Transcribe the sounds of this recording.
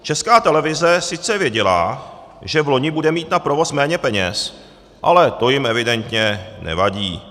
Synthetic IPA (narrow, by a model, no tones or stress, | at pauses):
t͡ʃɛskaːt̪ɛlɛvɪzɛsɪt͡sɛvjɛɟɛla̰ | ʒɛvlo̞ɲɪbudɛmiːt̪napɾovo̞smɛːɲɛpɛɲɛ̰s | ʔa̰lɛt̪o̞jɪmɛvɪdɛnt̪ɲɛnɛ̰vaɟiː